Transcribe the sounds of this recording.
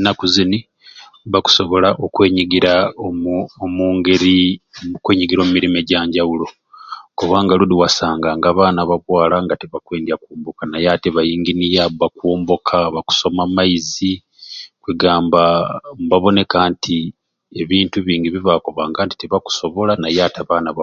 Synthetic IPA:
nakuzini | βaku̥so̞βo̞laʔokwe̞ːɲiɡiɾa | omuːŋɡeɾikwe̞ːɲiɡiɾo̞ːmumiɾime̞ɟaːɲɟawulo̞ | kuβaːŋɡaludiwasaːŋɡaːŋɡaːβaːnaβaβwaːlaŋɡateβakweːndiakwoːmbo̞kanajateβajiːŋɡinijabakwoːmbo̞kʰaβaku̥so̞mamaizi | kwiɡaːmbambaβo̞ne̞kaːntʰi | e̞βiːntuβiːɲɡiβiβako̞βaːŋɡaːnti̥teβaku̥so̞βo̞lanajaːtaβaːnaβa

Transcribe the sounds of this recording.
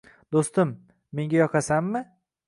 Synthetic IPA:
d̪ost̪ɪmː | e̞ŋɡʲajɒqʰɑsamːɪ

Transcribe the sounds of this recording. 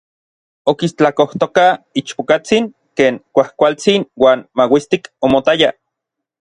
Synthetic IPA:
okist͡ɬakoht̪okait͡ʃpokat͡siŋ | keːŋkʷahkʷalt͡sinwaːnmawist̪ikomot̪aja

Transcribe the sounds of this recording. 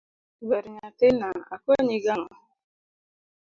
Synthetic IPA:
beɾɲatenaa̰koɲiɡaŋa

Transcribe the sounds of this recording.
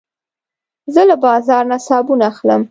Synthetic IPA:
zəlabɑzɑɾnasɑbunaːxləm

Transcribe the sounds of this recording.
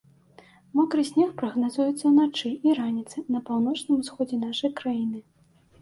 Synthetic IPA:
mɔkɾɨsʲnʲɛxpɾɐɣnazujɛt̪sːɐnat͡ʂɨiɾanʲit̪sɨnɐpawnɔt͡ʂnɨmusxɔd͡zʲɛnaʂɐjkɾajinɨ

